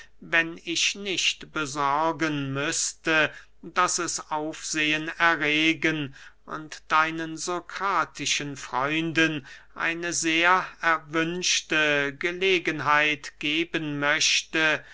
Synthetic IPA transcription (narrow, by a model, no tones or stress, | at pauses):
vɛnɪçnɪçtb̥əzɔɐɡənmʏstə | d̥asɛsʔaʊfz̥eːənɛɐʁeːɡənʔʊ̰ntd̥aɪnənzokʁ̥aːtʰɪʃənfʁ̥ɔʏndənʔa̰ɪnəzeːɐɛɐvʏnʃtəɡəleːɡənɦaɪtɡ̥eːbənmœɕtə